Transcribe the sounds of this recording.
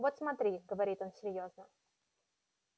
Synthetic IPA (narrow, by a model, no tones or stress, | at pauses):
vot̪smɐt̪ɾʲiɡəvɐɾʲit̪o̞nsʲɪɾʲjo̞znə